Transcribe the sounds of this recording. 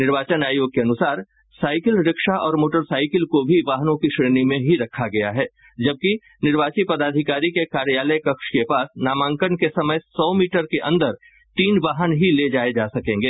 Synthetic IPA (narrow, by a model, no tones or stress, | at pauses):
nɪɾʋaːt͡ʃənaːjoːɡ̚keɐnʊsaːɾ | saːɪkɪlɾɪkʃaʔɔːɾmoːʈəɾsaːɪkɪlkobʱiʋaːɦnõkiʃɾeːnimẽɦiɾɐkʰaɡɐjaɦɛː | d͡ʒɐb̚ki | nɪɾʋaːt͡ʃipɐd̪aːd̪ʱɪkaːɾikekaːɾjaːləjkɐkʃkepaːsnaːmãːŋkənkesɐməjsɔːmiːʈəɾkeʔɐ̃nd̪əɾ | t̪iːnʋaːɦənɦiled͡ʒaːed͡ʒaːsɐkẽːŋɡeː